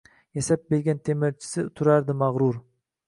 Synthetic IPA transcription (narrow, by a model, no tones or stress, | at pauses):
jasap̚belɡʲant̪ʰemɪɾt͡ʃʰɪ̥sɪt̪ʰʊɾaɾd̪ɪmaʁɾʊɾ